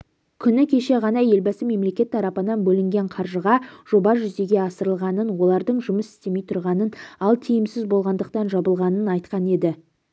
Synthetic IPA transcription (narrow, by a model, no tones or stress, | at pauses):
kʲʰʏnɪkʲʰe̞ʃe̞ʁɑnɑje̞lbɑsɪme̞mle̞kʲe̞t̪ʰːɑɾɑpənɑnbɵlɪŋɡʲe̞ɴqʰɑɾʒəʁɑʒ̥o̞bɑʒʏzd̪e̞ɡʲe̞ɑsəɾəlˠʁɑnənwo̞lˠɑɾd̪əɴʒʊməsɪ̥st̪e̞mejt̪ʰʊɾʁɑnənɑlˠt̪ʰijɪmsɪzbo̞lˠʁɑnd̪əq̚t̪ɑnʒɑbəlˠʁɑnənɑjt̪qɑne̞d̪ɪ